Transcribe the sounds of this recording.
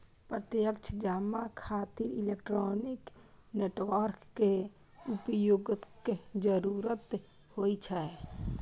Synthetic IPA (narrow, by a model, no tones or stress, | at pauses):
pɾət̪jəkt͡ʃʰəd͡ʒaːmːakʰaːt̪iɾilekʈɾonik | neːʈʋəɾkːe | upəjoːɡked͡ʒəɾuɾət̪ | hoit͡ʃʰɛ